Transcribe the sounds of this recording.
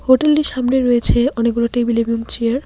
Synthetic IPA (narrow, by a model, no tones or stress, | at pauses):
hoʈelɖiʃamneɾɔet͡ɕʰeɔnek̚ɡuloʈebilebiumt͡ɕiaɾ